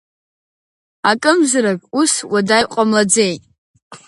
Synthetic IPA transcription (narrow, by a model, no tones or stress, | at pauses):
akʼɨmzɨɾakʼuswadajqʷʼamlad͡zejtʼ